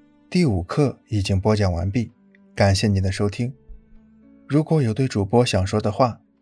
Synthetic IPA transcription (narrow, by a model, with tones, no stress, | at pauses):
t̪i˥˩u˨˩kʰɤ˥˩i˨˩t͡ɕi˥ŋpwɔ˥t͡ɕjɑ˨˩ŋwa̰˧˥npi˥˩ | ka˨˩nɕjɛ˥˩ni˨˩d̪ə˧ʂo˥ʊt̪ʰi˥ŋ | ɻu˧˥kwɔ˧˥jo˨˩ʊt̪we˥˩ɪʈ͡ʂu˨˩pwɔ˥ɕjɑ˨˩ŋʂwɔ˥d̪ə˨xwa˥˩